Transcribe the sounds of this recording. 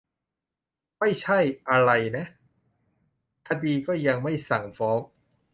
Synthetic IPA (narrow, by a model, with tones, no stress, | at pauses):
ma˥˩jt͡ɕʰa˥˩jʔa˧ɾa˧jna˦˥ʔ | k̪ʰa˧diː˧kɔː˥˩ja˧ŋma˥˩jsa˨˩ŋfɔː˦˥ŋ